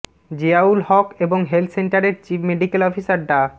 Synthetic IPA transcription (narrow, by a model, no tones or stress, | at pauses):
d͡ʑeaulhɔkeboŋɦelt̪ʰseɳʈaɾeɾt͡ɕifmeɖikelɔfisaɾɖa